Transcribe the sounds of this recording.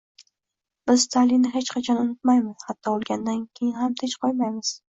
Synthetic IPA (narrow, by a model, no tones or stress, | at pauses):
b̥ɪzst̪ʰalinɪɦet͡ʃqʰɑt͡ʃʰɒnʊnʊt̪majmɪz̥hat̪ʰːɒolˠɡʲand̪ankʲʰe̞jɪnɦamt̪ʰet͡ʃqʰojmajmɪz̥